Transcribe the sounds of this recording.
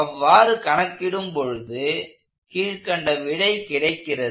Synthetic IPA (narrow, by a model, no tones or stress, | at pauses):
ɐʋːaːɾɯkɐɳɐkːɪɽɯmpɔɻɯðɯ | kiːɻkɐɳɖɐʋɪɽɐɪkɪɽɐɪkːɪrɐð